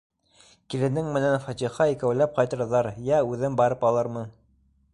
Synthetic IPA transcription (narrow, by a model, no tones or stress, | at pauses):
kilɘ̆nɘŋmɘ̆nænfɑt̪ʲiχɑikæwlæp̚qɑjt̪ɤ̆ɾðɑɾjæʉðɘmbɑɾɤpɑlˠɤɾmɤn